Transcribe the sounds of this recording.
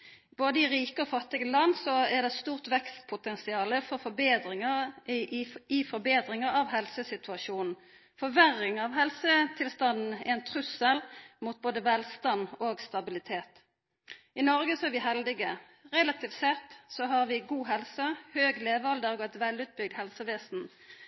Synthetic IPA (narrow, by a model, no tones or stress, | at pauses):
boːd̪əɪʁiːkəɔfɑt̪ːɪɡəlɑnːsɔɛʁd̪ɛst̪uːʁt̪ʋɛkst̪̚pʰʊt̪ʰɛnsɪɑːləfɔʁfɔbeːd̪ɪŋə | ɪfɔɾbeːd̪ʁɪŋəʁɑʋɦɛlsəsɪt̪ʰʉɑʃuːnn̩ | fɔʋæʁːɪŋɑʋɦɛlsət̪ʰɪlst̪ɑnn̩ɪɛnt̪ʰʁʉsəlmuːt̪̚boːd̪əʋɛlst̪ɑnoːɡst̪ɑbɪlɪt̪ʰeːt̪ | ɪnɔʁɡəsɔɛɾʋɪɦɛld̪ɪɡə | ʁɛlɑt̪ʰɪfsɛt̪ːsɔɦɑʁʋɪɡuːɦɛlsəhøːɡleːʋɑld̪əʁɡɔt̪ʋɛlʉːt̪̚bʏɡd̪hɛlsəʋeːsn̩